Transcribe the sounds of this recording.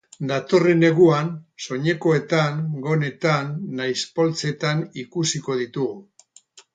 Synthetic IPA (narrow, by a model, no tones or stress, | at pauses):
d̪at̪o̞re̞ne̞ɣuanso̞ɲe̞ko̞e̞t̪aŋɡo̞ne̞t̪anːajspo̞lt͡se̞t̪anikusiko̞ð̞it̪uɣu